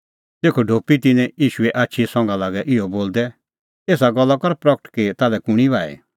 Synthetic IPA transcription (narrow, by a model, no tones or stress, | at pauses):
t̪eːkʰoɖʱoːpit̪ɪnɛ̃jiːʃuɛʔaːtːʃʰisɔ̃ŋɡãlaːɡɛʔɪɔboːld̪ɛ | eːs̬aɡɐlːakɔɾpɾɐkʈkit̪aːlɛkʊɽ̃iʋaːḛ